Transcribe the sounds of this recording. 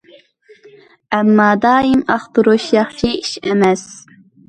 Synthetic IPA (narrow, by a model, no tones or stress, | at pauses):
ʔæmːɑːd̪ɑːimɑχt̪ɨɾoʃjɑχʃiʃæmæs